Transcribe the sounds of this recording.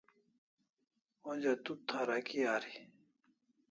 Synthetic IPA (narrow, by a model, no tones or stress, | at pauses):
od͡ʑat̪ut̪ʰaɾakijaːɾi